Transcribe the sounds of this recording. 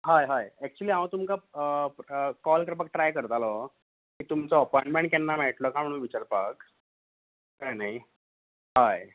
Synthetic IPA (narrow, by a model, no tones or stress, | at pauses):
ɦajɦajɛk̚t͡ɕuəliːãwt̪umka | kɔlkəɾp̬ak̚ʈɾajkəɾt̪alɔ | kiːt̪umt͡sɔːpɔjɳʈmẽɳʈ̚kɛnːamɛʈ̪lɔkam̤əɽ̃uːnʋit͡ɕaɾpak | kajnaj | ɦaj